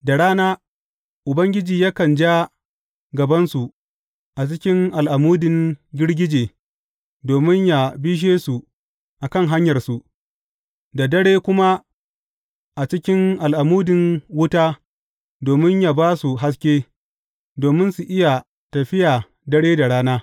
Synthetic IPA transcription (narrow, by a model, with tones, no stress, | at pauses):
da˨ɽaː˦naː˦ | ʔʊ˨bɐ˦ŋɡʲɪ˦d͡ʒiː˨jaː˦kɐ˨nd͡ʒa˦ | ɡɐ˨bɐ˦nsu˨ | ʔa˨t͡ʃɪ˦kʲɪ˦ŋʔa˨lʔa˨muː˦dɪ˨ŋɡʲɪ˦ɽɡʲɪ˦d͡ʒeː˨ | doː˨mɪ˦ɲja˨bi˦ʃ̬eː˦su˨ | ʔa˨kɐ˦˨ŋɦa˦ɲjɐ˨rsu˨ | da˨dɐ˦ɽeː˦kʷʊ˦ma˦ | ʔa˨t͡ʃɪ˦kʲɪ˦ŋʔa˨lʔa˨muː˦dɪ˨ŋwʊ˦taː˦ | doː˨mɪ˦ɲja˨baː˦su˨ɦa˦s̬kʲeː˦ | doː˨mɪ˦nsu˨ʔɪ˦ja˨ | tɐ˨ɸɪ˦ja˨ | dɐ˦ɽeː˦da˨ɽaː˦naː˦